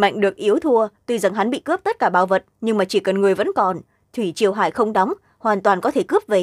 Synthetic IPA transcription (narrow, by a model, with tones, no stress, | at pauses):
ma̰˧˨jŋ̟ɗɨ˨˩ək̚ʔi˨˦əwt̪ʰu˧ət̪wi˧za˨˩ŋɦa˨˦nɓḭ˧˨kɨ˦˥p̚t̪ə˦˥t̚kaː˧˩ɓaː˨˩wvə˨˩t̚ɲɨ˧ŋmaː˨˩t͡ɕi˧˩kə˨˩nŋɨ˨˩əjvə̰˧˥nkɔ˨˩n | t̪ʰi˧˩t͡ɕi˨˩əwɦa̰ː˧˨jxə˧wŋ͡mɗɔ˨˦wŋ͡m | hwaː˨˩nt̪waː˨˩nkɔ˨˦t̪ʰe˧˩kɨ˦˥p̚ve˨˩